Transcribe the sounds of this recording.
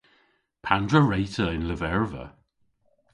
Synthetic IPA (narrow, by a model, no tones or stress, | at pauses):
pʰandɹəɹejtʰəɪnləvɛɹvə̰